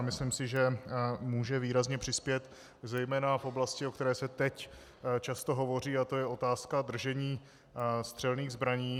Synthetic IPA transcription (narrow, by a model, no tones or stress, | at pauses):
mɪslimsɪʒɛmuːʒɛviːɾazɲɛpr̝̥ɪspjɛt̪ | zɛjmɛːnafʔo̞blascɪokt̪ɛɾɛːsɛt̪ɛc | t͡ʃast̪o̞ɦo̞vo̞r̝iːat̪o̞jɛo̞t̪aːskad̪r̩ʒɛɲiː | st̪r̝̥ɛlniːɣzbɾaɲiː